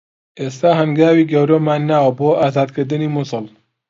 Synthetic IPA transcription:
ʔeːst̪aːɦənɡaːwiːɡɐwɾoːmaːnːaːwɐboːʔaːzaːd̪̚kɨɾd̪ɨniːmʊsɨl

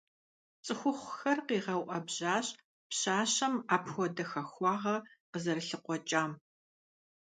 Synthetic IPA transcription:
t͡sʼɨxʷʊχʷxɐrqiːʁɐwʔɐbʑaːɕ | pɕaːɕɐmaːpʰxʷɔdɐxɐxʷɑːʁɐqəzɐrɬɨqʷɔt͡ʃʼaːm

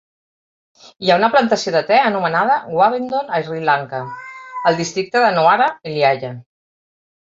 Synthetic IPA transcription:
iaunəplant̪əsioðət̪ɛənumənað̞əɣwaβint̪onajrilaŋkəəlˠd̪ist̪ɾik̚t̪əðənoaɾaeljaʒa

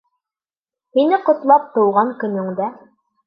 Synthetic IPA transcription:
hinɘqŏt̪lˠɑp̚t̪ŏwʁɑŋkɵ̆nɵ̆ŋd̪æ

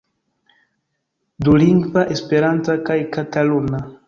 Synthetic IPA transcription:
duliŋɡvaʔespe̞ɾantakajkatalona

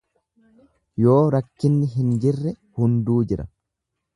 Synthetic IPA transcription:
jo̞ːɾɐkːɪnːɪɦɪnd͡ʒɪrːɛ | hʊnd̪uːd͡ʒɪɾɐ

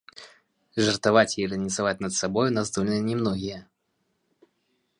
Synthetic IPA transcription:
ʐɐrt̪avat͡sʲiɾɨnʲit̪savat͡sʲnɐt̪sabɔjunazd̪ɔlʲnɨjnʲɛmnɔɣʲijɐ

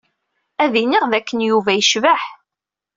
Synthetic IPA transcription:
æðiniʁðækːənjuvæjəʃvaħ

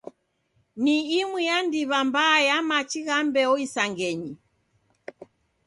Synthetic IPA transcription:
niːmwijandiβambaːjamat͡ʃiɣambɛɔisaŋɡɛɲi

